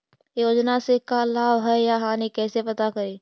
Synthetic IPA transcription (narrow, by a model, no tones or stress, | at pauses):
joːd͡ʒnasekalaːbɦɛjaɦãːnekɛːsepɐt̪akɐɾeː